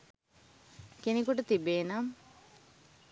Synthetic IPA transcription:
kenikuʈət̪ibeːnam

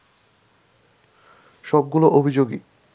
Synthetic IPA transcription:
ʃɔb̚ɡuloʔobʱid͡ʑoɡi

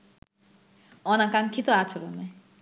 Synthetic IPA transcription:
ɔnakaŋkʰit̪oat͡ɕʰoɾo̰ne

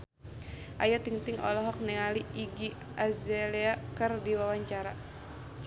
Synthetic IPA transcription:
ʔajat̪iŋt̪iŋɔ̰lɔɦɔk̚nɛŋaliiɡi | azɛleakɨrdiwawaɲt͡ʃaɾa

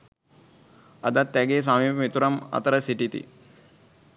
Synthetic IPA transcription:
ɐd̪at̪ːæɡeːs̬amiːpəmit̪uɾamɐ̰t̪əɾəsiʈit̪ḭ

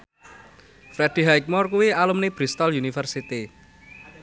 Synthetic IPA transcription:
fɾɛd̥i̤ɦajk̚mɔrkuwialumneb̥ɾist̪ɔlunifərsit̪i

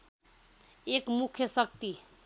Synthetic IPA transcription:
ekmukʰjəsʌkt̪i

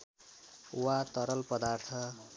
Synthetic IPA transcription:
wat̪ʌɾʌlpʌd̪art̪ʰʌ

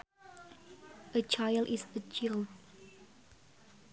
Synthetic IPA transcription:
ət͡ʃajldisət͡ʃild̚

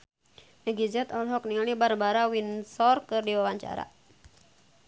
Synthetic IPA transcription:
əɡizɛt̪ɔlɦɔknialibarbaɾawinsɔrkɨrdiwawaɲt͡ʃa̰ɾa̰

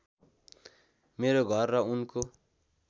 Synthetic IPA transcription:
meɾoɡʱʌrːʌunko

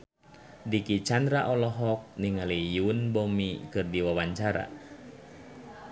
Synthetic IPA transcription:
dikit͡ʃandɾaʔɔlɔɦɔk̚niŋalijunbɔmikɨrdiwawaɲt͡ʃaɾa̰

